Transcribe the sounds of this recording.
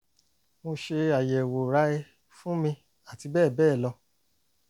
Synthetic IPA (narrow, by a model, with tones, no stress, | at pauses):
mo˧ʃe˧a˨jɛ˨wo˨ɾa˦e˧˦ | fũ˦mĩ˧ | a˨ti˧bɛː˦˨bɛː˦˨lɔ˧